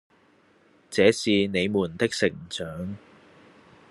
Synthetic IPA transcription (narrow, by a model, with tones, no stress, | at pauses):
t͡sɛː˨˥siː˨ne˨˧jmuː˨˩nt̪ɪ˥k̚sɪ˨˩ŋt͡sœː˨˥ŋ